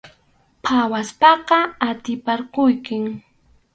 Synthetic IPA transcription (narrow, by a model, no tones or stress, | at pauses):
pʰawaspɑqɑat̪ɪpaɾqʊjkɪŋ